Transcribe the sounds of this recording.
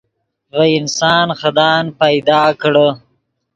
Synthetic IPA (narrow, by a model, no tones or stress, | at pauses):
ɣəɪnsɑːnxad̪ɑːnpajd̪ɑːkɽə